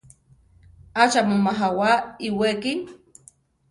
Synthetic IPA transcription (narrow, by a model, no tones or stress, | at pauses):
at͡ʃamomaɦawaiweki